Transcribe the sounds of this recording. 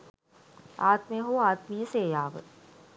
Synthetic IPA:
aːt̪mejɦoːaːt̪miːəseːjaːʋə̰

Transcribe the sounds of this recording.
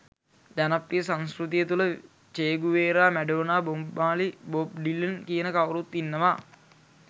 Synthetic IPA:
d̪anapːijəsanskrut̪ijət̪ulə | t͡ʃeːɡuʋeːɾaːmæɖoːnaːbomːaːlibop̚ɖilːənkiənəkawɾut̪ːinːəʋaː

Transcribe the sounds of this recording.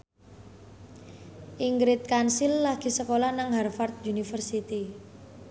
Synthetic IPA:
ʔiŋɡɾɪt̪̚kansɪlːaɡ̥i̤səkolanaŋɦarfart̪̚unifərsit̪i

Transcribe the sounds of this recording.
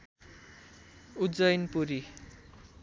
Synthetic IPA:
ud͡zʌjnpuɾi

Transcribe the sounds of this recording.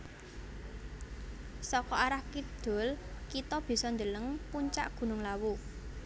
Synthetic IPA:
sɔkɔʔaɾahkid̪̥o̤lkit̪ɔb̥i̤sɔnd̪ələŋpuɲt͡ʃa̰ʔɡ̥ṳnʊŋlawu

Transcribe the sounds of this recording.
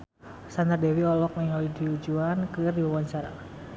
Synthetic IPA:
sand̪ardɛwiɔlɔk̚nɛŋɦalidiud͡ʒuankɨrdiwawɔnt͡ʃaɾa̰

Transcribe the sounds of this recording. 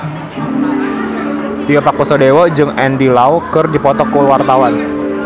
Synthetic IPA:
t̪iəpakusɔdewɔd͡ʒɨŋɛndilawkɨrdipɔt̪ɔkːulwart̪awan

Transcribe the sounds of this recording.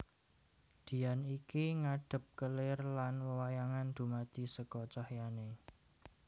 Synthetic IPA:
d̪̥i̤janikiŋaɖ̥ə̤p̚kəlɪrlanwəwajaŋand̪̥ṳmad̪̥i̤səkɔt͡ʃahjane

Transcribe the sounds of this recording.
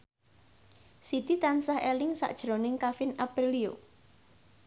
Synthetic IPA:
sit̪it̪ansaɦelɪŋsa̰ʔd̥ʒ̥ɾonɪŋkafɪnapɾilio̰

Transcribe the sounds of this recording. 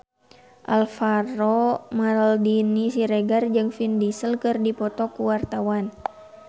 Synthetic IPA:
ʔalfaɾɔmaldinisiɾeɡard͡ʒɨŋfindisəlkɨrdipɔt̪ɔkuwart̪awan

